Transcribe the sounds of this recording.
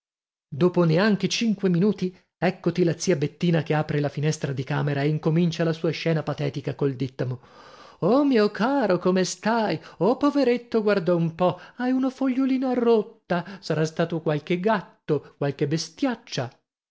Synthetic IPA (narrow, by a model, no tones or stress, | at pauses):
d̪oːponeaŋk̟et͡ʃiŋkweminuːt̪i | ɛkːot̪ilat̪siːabet̪ːiːnak̟eaːpɾelafinɛst̪ɾad̪ika̰ːmeɾaeiŋkomint͡ʃalasuːaʃɛːnapat̪ɛːt̪ikakold̪it̪ːamo | omiːokʰaːɾokomest̪ajopoveɾet̪ːoɡward̪ɔumpɔajunofoʎːoliːnoarːot̪ːasaɾast̪aːt̪okwalk̟eɡat̪ːokwalk̟ebest̪jat͡ʃːa